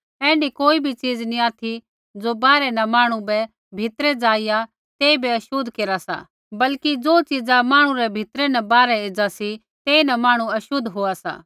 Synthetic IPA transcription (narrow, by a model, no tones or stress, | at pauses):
ɛ̃ːɳɖikoːibʱit͡ʃiːd͡znĩaːt̪ʰi | d͡zobaːɾɛnɐmaːɽ̃ũbɛ | bʱɪt̪ɾɛd͡zaːɪja | t̪eːibʱiɐʃʊd̪ʱkeːɾasa̰ | bɐlkid͡zoːt͡ʃid͡zamaːɽ̃ũɾɛbʱɪt̪ɾɛnɐbaːɾɛeːd͡zasi | t̪eːinɐmaːɽ̃ũɐʃʊd̪ʱɦoːasa̰ː